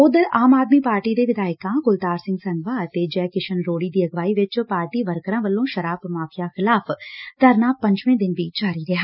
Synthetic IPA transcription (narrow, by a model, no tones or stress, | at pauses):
ʊd̪əɾaːmaːd̪miːpaːɾʈiːd̪eːʋɪd̪aːɪkãːɡʊlt̪aːɾsɪ̃ŋɡsənʋaːət̪eːd͡ʒɛːkɪʃʰənɾoːɽiːd̪iːəɡʋaːiːʋɪt͡ʃpaːɾʈiːʋəɾkəɾãːʋəlːõːʃəɾaːbmaːfʰɪjaːxɪlaːpʰt̪əɾnaːpə̃ɲd͡ʒʋẽːd̪ɪnʋiːd͡ʒaːɾiːɾɪɦaː